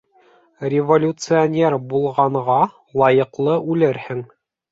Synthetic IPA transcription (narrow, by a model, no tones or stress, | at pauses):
rʲɪvolʲut̪sɨonʲeɾbulˠʁɑɴʁɑ | lˠɑjɤ̆qlˠɤʔʉlɘɾhɘŋ